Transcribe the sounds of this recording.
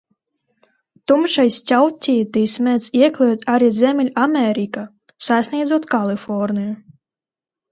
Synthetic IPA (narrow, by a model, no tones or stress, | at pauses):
t̪umʃajsʲtʲawt̪ʲijt̪ijsmʲɛt̪siɛklʲɛjut̪aɾiːzʲɛmʲɛlʲamʲɛɾika | sasʲnʲiɛd̪zuɔt̪kalˠifɔɾniju